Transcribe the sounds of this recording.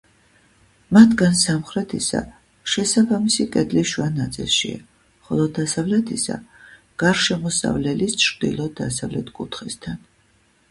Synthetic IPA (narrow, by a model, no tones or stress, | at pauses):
mat̪ʰɡansamχɾɛt̪ʰisa̰ | ʃɛsabamisikʼɛd̪liʃwanat̪sʼḭlˠʃḭa̰ | χɔlˠɔd̪asavlɛt̪ʰisa̰ | ɡ̥aɾʃɛmɔsa̰vlɛlist͡ʃʰɾd̪ḭlˠɔd̪asavlɛt̪ʰkʼut̪ʰχist̪ʰan